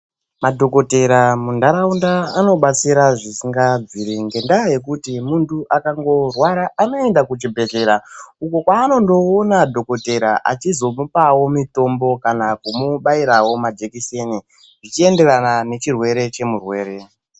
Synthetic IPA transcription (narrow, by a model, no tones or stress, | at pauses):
madʱo̞ko̞te̞ɾamundaɾaundaːno̞ɓat͡siɾaʐisiŋɡad͡ziɾiŋɡe̞ndaje̞k̬utimuntuʔakaŋɡo̞rwaɾaʔano̞e̞ndakud͡ʒibʱe̞ɮe̞ɾauko̞kwaːno̞ndo̞ːnadʱo̞ko̞te̞ɾaʔa̰t͡ʃizo̞mupawo̞mito̞mbo̞kanakumuɓaiɾawo̞mad͡ʒekise̞ni | ʐit͡ʃiende̞ɾanane̞t͡ʃirwe̞ɾe̞t͡ʃe̞murwe̞ːɾe̞